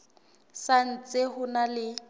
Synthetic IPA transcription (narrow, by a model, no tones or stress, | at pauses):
san̩t͡sʼehʊnalɪ